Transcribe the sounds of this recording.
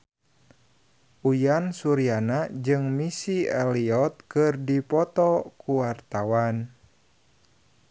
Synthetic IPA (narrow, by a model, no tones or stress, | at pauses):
ʔujansuɾianad͡ʒɨŋmisiɛliɔt̪̚kɨrdipɔt̪ɔkuwart̪awan